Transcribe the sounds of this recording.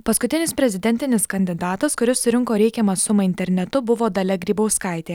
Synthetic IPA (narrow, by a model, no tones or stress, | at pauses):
pɐskʊt̪ʲɪnʲɪspʲɾʲɛzʲɪd̪ʲɛnʲt̪ʲɪnʲɪskɐnʲd̪ʲɪd̪ɑːt̪ɐskʊɾʲɪssʊɾʲɪŋkoːɾʲɛɪkʲɛmɐsʊmɐɪnʲt̪ʲɛɾʲnʲɛt̪ʊbʊʋoːd̪ɐlʲɛɡɾʲiːbɐʊskɑˑɪt̪ʲeː